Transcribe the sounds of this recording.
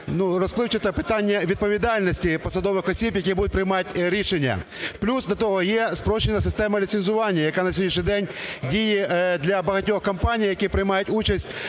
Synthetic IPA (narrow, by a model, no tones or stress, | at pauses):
nurɔsplˠɪwt͡ʃɪt̪ɐpɪt̪anʲːɐʋʲid̪̚pɔʋʲid̪ɑlʲnɔsʲtʲipɔsɐd̪ɔʋɪxɔsʲibjɐk̬ʲibud̪ʊt̚ʲpɾɪjmɑtʲɾʲiʃenʲːɐ̰plʲusd̪lʲɐt̪ɔɦɔjɛspɾɔʃenɐsɪst̪ɛmɐlʲit̪senzʊʋɑnʲːɐjɐkanɐsʲjɔdʲnʲiʃ̬ʲnʲijd̪ɛnʲdʲijid̪lʲɐbɐɦɐtʲɔxkɐmpanʲijjɐkʲipɾɪjmɑjʊtʲut͡ʃɐsʲtʲ